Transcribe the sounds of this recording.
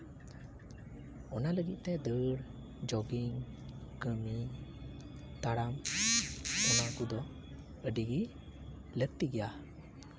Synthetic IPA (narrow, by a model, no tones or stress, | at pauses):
ɔnaləɡḭt̪̚t̪ɛd̪əɽ | d͡ʒɔɡiŋ | kəmi | t̪aɽam | ɔnakud̪ɔ | əɖiɡi | lək̚t̪iɡɛja